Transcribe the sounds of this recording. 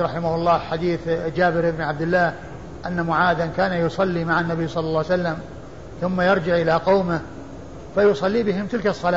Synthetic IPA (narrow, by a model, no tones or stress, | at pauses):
ɾˤɑħɪmahʊlˤːɑːħad̪iːθd͡ʒaːbɪɾʔɪbnʕab̚d̪ɪlːaːh | ʔanːamʊʕaːd̪ankaːnajʊsˤɑlːimaʕanːabijːsˤɑlːɑlːɑːwsalːam | θʊmːajɑɾˤd͡ʒɪʕʔɪlaqɑwmɪ | fajʊsˤɑlːiːbɪɦɪmt̪ɪlkɑsˤːɑlaː